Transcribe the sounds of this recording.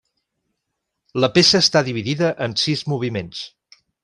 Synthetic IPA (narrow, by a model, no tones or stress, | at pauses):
ləpesəːst̪aðiβ̞iðiðəʔənsizmuβ̞imens